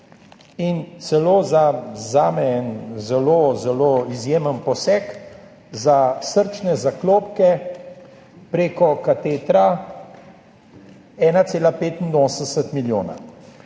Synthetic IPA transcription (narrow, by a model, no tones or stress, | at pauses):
int̪sɛloːzazaːmɛɛnzɛloːzɛloːizjeːmənpɔsɛk | zasəɾt͡ʃnɛzakloːpkɛ | pɾeːkɔkat̪eːt̪ɾa | ɛːnaseːlapeːt̪ind̪oːsənd̪ɛsət̪miljoːna̰